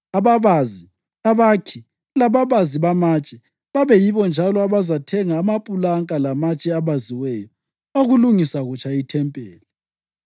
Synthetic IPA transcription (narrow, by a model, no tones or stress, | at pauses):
aβaβazi | aβakʰi | laβaβaziβamat͡ʃʼɛ | βaβɛjiβɔnd͡ʒʱalɔaβazatʰɛŋaːmapʼulaŋkʼalamat͡ʃʼɛaβaziwɛjɔ | oɣuluŋisaɣut͡ʃʼaitʰɛmpʼɛːli